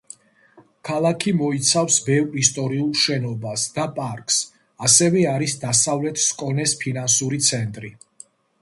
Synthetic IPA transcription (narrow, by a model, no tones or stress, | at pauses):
kʰalˠakʰimɔit̪sʰafsbɛvɾist̪ʼɔɾiulˠʃɛnɔbasd̪̥apʼaɾkʼs | asɛvɛaɾisd̪asavlɛt̪ʰskʼɔnɛspʰinansuɾit̪sʰɛnt̪ʼɾi